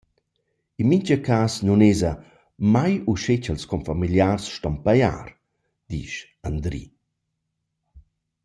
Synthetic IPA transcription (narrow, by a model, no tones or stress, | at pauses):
inmiɲt͡ʃəkasnunezɐ | majuʃet͡ʃəlskɔmfamiljaːrsʃtɔmpaja̰ːɾ | d̪̥ḭːʃ | and̪ɾḭ